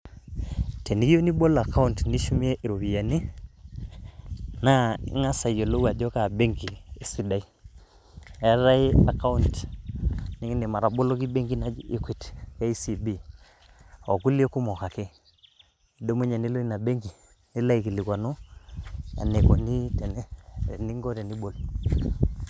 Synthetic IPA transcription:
te˨ni˦ki˦jo˦ni˦bo˦la˨ka˦u˦ntni˦ʃu˦mi˦e˦ʔi˨ɾo˨βi˨ja˨ni˦ | na˦ḭ˦ŋa˦sa˨jo˨lo˦wa˨d͡ʒɔ˦ka˨be˦ŋɡi˨e˨si˨da˨i˦ | a˦ɾa˦i˦a˨ka˦u˦nt | ni˦ŋi˦ne˨ma˨ɾa˨bo˦lo˦k̬i˦be˦ŋɡi˦na˦d͡ʒi˦kwi˨tka˦i˦si˨bi˦ | o˨ku˦li˦o˦ku˦mɔ˨ka˨ke˦ | i˨do˦mu˦ɲa˨ni˦lo˦i˦na˨be˦ŋɡi˨ | ni˦la˦i˨ki˨li˨kwa˨no˦ | a̰˨ne˨ko˨ni˦tɛ˨n˦˨ni˦ŋɡɔ˦tɛ˨ni˦ɓo˨l

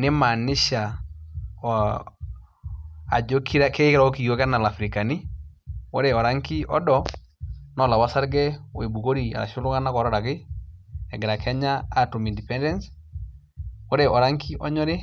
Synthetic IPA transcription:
ne˦ma˨nɪ˦ʃa˨ | a˨d͡ʒo˦kʰi˦ɾa˦ke˦ke˦ɾa˦o˦ki˨o˦ka˦na˨la˨fɾi˨ka˨ni˦wo˦ɾɛ˨ɔ˨ɾa˦ŋki˦ʔɔ̰˦dɔ˨ | nɔ˦˨la˨wa˦sa˦ɾɡɛ˦o˨e˨bu˨ko˦ɾi˨a̰˨ɾa̰˨ʃo˦lʊ˦ka˦na˦kɔ˨ɾɔ˦ɾa˨kɪ˦ | ɛ˨ɡe˨ɾa˨kʰɛ˦ɲa˦a˦tu˨mi˨ndi˨pɛ˦ndɛ˦ns | o˦ɾɛ˨ʔɔ˨ɾa˦ŋkʰi˦ʔɔ˦ɲɔ˦ɾe˦

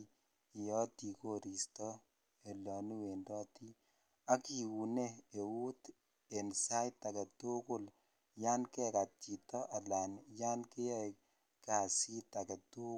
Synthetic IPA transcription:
i˨jɔ˦ti˨ko˦ɾi˨stɔ˦ | e˨lɔ˨nu˦we˨ndɔ˦ti˦ | a˦ki˨wu˨ne˦e˨wu˦t | e˨nsa˦jta˨kɛ˨tu˦kʊ˦l | ja˦nkɛ˦ka˨t͡ʃi˨tɔ˦ʔa˨la˨nja˦nke˦jɛ˦ | ka˨si˦ta˨kɛ˨tu˦

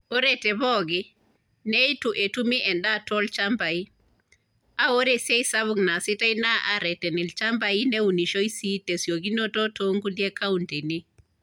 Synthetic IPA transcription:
o˦ɾete˨bɔ˦ɡi | nejtu˨ʔe˨tu˦mi˦ʔɛ˨nda˦to˦lt͡ʃamba˨ji˦ | a˦wo˦ɾese˦jsaβuŋna˨si˦ta˦jna˦ʔa̰˨ɾɛ˨tɛ˨ni˨lt͡ʃa˦mba˨ji˦ne˦wu˨ni˨ʃo˦jsi˦te˨sjo˨ɡi˦no˦to˦to˦ŋɡu˦die˦ka˦unte˨ni˦

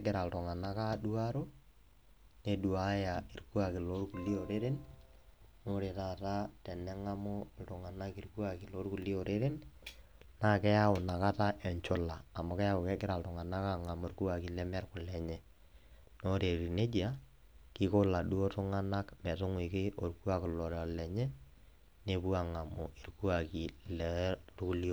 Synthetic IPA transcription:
ɛɡɪ˨ɾa˨ltʊ˨ŋa˨na˦ka˦du˦a˦ɾo˦ | ne˦du˨a˦ja˨i˨rku˦a˨kɪ˨lo˦rku˨li˦o˨ɾe˦ɾe˦n | no˦ɾe˨ta˨ta˦tɛ˨nɛ˦ŋa˦mʊ˦ltʊ˨ŋa˨na˦ki˦rku˦a˨ki˨lo˦rku˨li˦o˨ɾe˦ɾɪ˦n | na˦kɛ˦ja˦ʊ˨na˨ka˦ta˦ʔɛ˨ɲt͡ʃʊ˦laː˨mʊ˦kɛ˦ja˦ʊ˨kɛ˦kɪ˦ɾa˨ltʊ˨ŋa˨na˦ka˦ŋa˨mo˨rku˦a˨ki˨lɛ˦mɛ˦rkʊ˨lɛ˨ɲɛ˦ | no˦ɾe˨ɾi˨ne˦d͡ʒja˦ | kɪ˦kʊ˦la˨du˦o˦tʊ˦ŋa˦na˦kmɛ˨tʊ˦ŋwɪ˨kɪ˦ʔo˨rku˦a˦klɔ˨ɾɔ˨lɛ˨ɲɛ˦ | ne˦pu˦a˨ŋa˨mʊ˨i˨rku˦a˨ki˨lɛrku˦li˦o˦˨

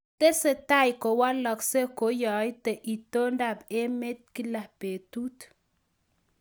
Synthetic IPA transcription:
t̪e˦se˨t̪a˦jko˨wa˦lɔ˨kse˦ko˨˦jɔ˨jt̪e˨ʔi˨t̪o˦nda˨be˦me˦t̪̚ki˦la˨hpe˨t̪u˦t̪

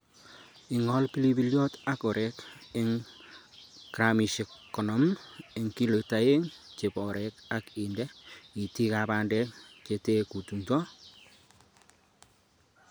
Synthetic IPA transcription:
i˨ŋɔ˦lpi˦li˦bi˦ljo˦ta˦ko˨ɾɛ˨kɪ˦ŋ | kɾa˨mi˨ʃe˨kkːɔ˨nɔ˨me˨ŋki˦lo˨ta˨je˦ŋt͡ʃe˨pɔ˨ɾɛ˦ka˦kindɛ˦i˨ti˦ka˨ba˨ndɛ˦kt͡ʃe˨te˦ku˨tu˨ŋtɔ˦

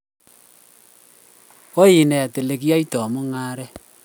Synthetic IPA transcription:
o˦ji˨nɛ˨ja˨te˨le˨ki˦a˦i˦tɔ˨mu˦ŋa˦ɾɛ˦

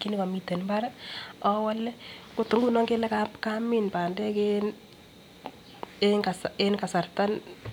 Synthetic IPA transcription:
ki˦ni˦ko˨mi˨te˨nmba˦ɾa˦ɔ˦walːɛ˦kʊ˨tu˨ŋɡu˦nɔ˦ŋɡe˦lɛ˦kapka˦mi˨npaː˨ndɛ˦ken | easenka˨sa˨rta˦n

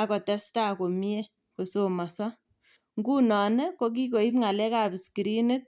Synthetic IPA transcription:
akɔ˨tɛ˦sta˦ko˨mi˦e˦ | ko˨so˨ma˨sɔ˦ | ŋɡu˦nɔ˨ne˦ko˦k̬i˦ko˨i˦pŋa˨lɛ˦ka˨bi˨ski˨ɾi˦ne˦t̚

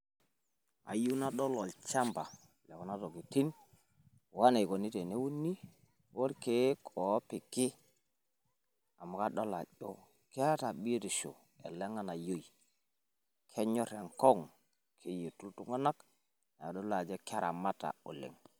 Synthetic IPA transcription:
a̰˨ju˦na˦ɗɔ˦lɔ˨lt͡ʃa˦mba˨ | lɛ˨kɔ˨na˦to˨ɡi˨ti˦n | wa˦ne˨ko˨ni˦te˨ne˦wu˦nːi˦ | wo˦ɾke˦kʰɔ˨˦pi˨kɪ˦ | a˨mu˨ka˦ɗo˦la̰˨ʄo˦ | ka˦ta˨bi˦ɾi˨ʃo̰˨ | ḛ˨le˦ŋa˦na˨jo˦j | kʰe˦ɲɔ˦ɾe˨ŋkɔ˦ŋ | kʰe˦je˨tu˦ltu˦ŋɡa˦na˦k | na˨do˦la˨d͡ʒe˦ka˦ɾa̰˨ma˦ta̰˨ṵ˨lḛ˨ŋ

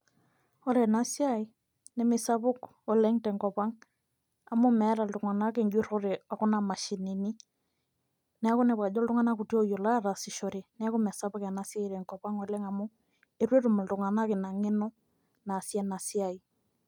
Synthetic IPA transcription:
ɔ˦ɾɛ˨na˨˦sja˦i˦ | nɛ˦mɪ˨sa˦βʊ˦k | ɔ˨lɛ˦ŋtɛ˨ŋkɔ˨pa˦ŋ | a˨mʊ˦mɛ˨˦ɾa˨ldʊ˨ŋa˨na˦ke˦˨ɲd͡ʒwe˦ɾo˦ɾe˨a˨kʊ˦na˨ma˨ʃi˨ni˨ni˦ | nɛ˦a˦kʊ˦ne˨βa˨d͡ʒɔ˦ldʊ˦ŋa˦na˦ku˨tjo˦jo˨la˦a˦˨ɾa˨sɪ˨ʃɔ˨ɾe˨nɛ˦a˦kʊ˦mɛ˨sa˦βʊ˦ka˨na˨sja˦iɾɛ˨ŋkɔ˨pa˦ŋɔ˨lɛ˦ŋa˨mʊ˦ | e˦ɾwe˦ɾu˨ma˨ldʊ˨ŋa˨na˦kɪ˨na˨ŋe˦nɔ˦ | na˨sjɛ˦na˨sja˨i˨

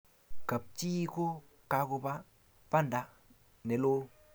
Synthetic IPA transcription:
ka˨p̚t͡ʃi˦ko˦ | ka˨kʊ˧ba˦ | pa˦˨nda˨˧ | ne˨lo˦l

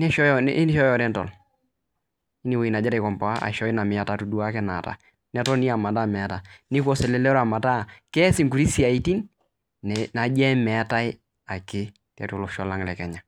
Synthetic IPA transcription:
nɛ˦ʃɔ˦jɔ˦n̰˦n˦ʃɔ˦jɔ˨ɾɛ˦ntɔ̰˨l | ɪ˦ni˨we˨i˨na˨d͡ʒɛ˦ɾɛ˨kɔ˨mpɔ˨a˦ʔa̰˨ʃɔ˦ɪ˦na˨mɪ˨a˨ta˦˨tu˨du˦a˦kɛ˦na˨ta̰˨ | nɛ˨tɔ˦ni˦a˨ma˨ta˦mɛ˨a˦ta˨nɪ˦kɔ˦sɛ˨lɛ˦lɛ˦ɾa˨ma˨ta˦kɛ˦sɪ˨ŋku˨ɾi˦si˦a˨i˦ti˦n | ɛna˨d͡ʒɛ˦mɛ˨a˦ta˦ɪ˦ | a˨kɪ˦ | tɛ̰˨tu˨lʊ˨ʃɔ˨la˦ŋlɛ˨kɛ˨ɲa˨

